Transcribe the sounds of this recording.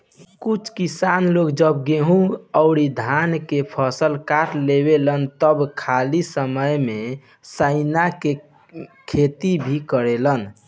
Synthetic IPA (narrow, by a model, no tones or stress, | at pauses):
kut͡ʃʰkisanlokd͡ʒəbɡeɦũəʊɾid̪ʱankepʰəsəlkaʈleβelənt̪əbkʰalisəməjme | səɪnake | kʰet̪ibʱikəɾelən